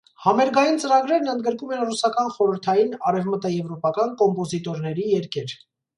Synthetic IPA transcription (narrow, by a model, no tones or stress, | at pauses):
hɑmɛɾɡɑjint͡səɾɑɡɾɛɾnənd̪ɡəɾkumɛnrusɑkɑnχɔɾəɾt̪ʰɑjinɑɾɛvmət̪əjɛvɾɔpɑkɑnkɔmpɔzit̪ɔɾnɛɾijɛɾkʰɛɾ